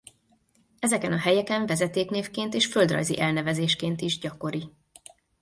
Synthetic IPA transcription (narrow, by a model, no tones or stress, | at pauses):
ɛzɛkɛnɒɦɛjɛkɛɱvɛzɛt̪eːkneːfkeːnt̪eːʃføld̪rɒ̰jzḭʔɛlnɛvɛzeːʃkeːnt̪iʒɟɒko̞ɾi